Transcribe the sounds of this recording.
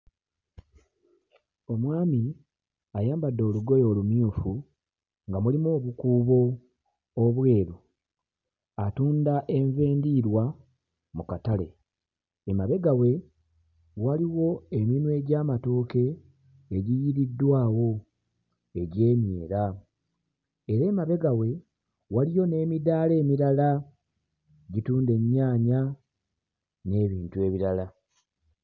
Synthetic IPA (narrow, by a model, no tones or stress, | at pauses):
o̞mwaːmi | ajaːmbadːo̞ːluɡo̞jo̞ːlumjuːfu | ŋɡamulimo̞ːβukuːβo̞ | oβwe̞ːɾu | atuːndaʔe̞ɱve̞ːndiɾwa | mukatale̞̰ | emaβe̞ɡawe̞ | waliwo̞e̞minwe̞ːɟaːmato̞ːke̞ː | ɟijiɾidːwaːwo̞ | e̞ɟe̞ːmje̞̰ːɾa | eɾe̞ːmaβe̞ɡawe̞ | walijo̞ne̞ːmidaːle̞ːmiɾala | ɟituːnde̞ɲːaːɲa | ne̞ːβiːntue̞ːβiɾala